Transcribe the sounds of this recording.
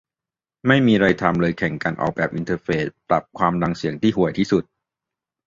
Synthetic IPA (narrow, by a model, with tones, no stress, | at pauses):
ma˥˩jmiː˧ɾa˧jt̪ʰa˧mlɤː˧jkʰɛ˨˩ŋka˧nʔɔ̰ː˨˩k̚bɛː˨˩p̚ʔi˧nt̪ʰɤː˧peː˦˩spla˨˩p̚kʰwaː˧mda˧ŋsi˨˩˦əŋt̪ʰiː˥˩hu˨˩əjt̪ʰiː˥˩su˨˩t̪̚